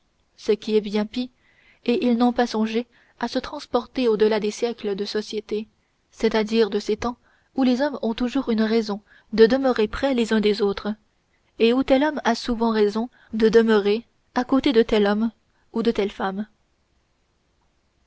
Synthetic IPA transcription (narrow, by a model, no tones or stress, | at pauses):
səkʲiɛbjɛ̃pi | eʔilnɔ̃pasɔ̃ʒe | asət̪χɑ̃spɔʁt̪eod̪əlad̪esjɛkləd̪əsɔsjet̪e | sɛt̪ad̪iʁd̪əset̪ɑ̃ | ulezɔmɔ̃t̪uʒuːʁynʁɛzɔ̃ | d̪əd̪əməʁepχɛlezœ̃d̪ezot̪χ | eut̪ɛlɔmasuvɑ̃ʁɛzɔ̃ | d̪əd̪əmøʁe | akot̪ed̪ət̪ɛlɔm | ud̪ət̪ɛlfam